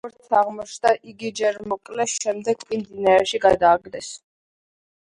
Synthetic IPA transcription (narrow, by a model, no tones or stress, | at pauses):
ɔɾt̪sʰaʁmɔt͡ʃʰd̪aʔiɡid͡ʒɛɾmɔkʼlɛʃɛmd̪ɛɡ̚pʼimd̪inaɾɛʃiɡad̪aːɡd̪ɛs